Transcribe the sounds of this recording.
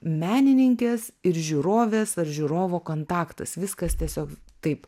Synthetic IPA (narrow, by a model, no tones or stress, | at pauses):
mʲæːnʲɪnʲɪŋʲkʲeːsɪɾʒʲuːɾoːʋʲeːsɐɾʒʲʊːɾoːʋoːkoːnt̪ɑːkt̪ɐ̰sʋʲɪskɐst̪ʲiɛsʲoːkt̪ɐɪp